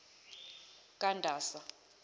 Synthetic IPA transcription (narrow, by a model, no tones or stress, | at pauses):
kʼandʱaːsa